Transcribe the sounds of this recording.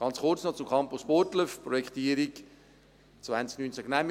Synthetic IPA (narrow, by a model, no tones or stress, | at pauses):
ɡ̥ɑnt͡sχʊrt͡snɔt͡sʊmkʰɑmpʊspotləfpɾɔjɛkχt̪iːɾik | t͡svant͡sknyːnt͡saɡnæm